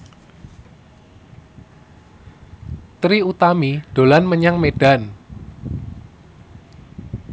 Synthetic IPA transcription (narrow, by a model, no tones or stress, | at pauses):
t̪ɾiut̪amiɖ̥o̤lanməɲaŋmeɖ̥an